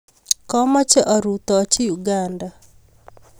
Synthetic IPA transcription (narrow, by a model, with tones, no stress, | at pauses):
kɔ˦mɔ˦t͡ʃɛ˦ʔɔ˨ɾut̪ɔt͡ʃi˦ju˨ɡanda˨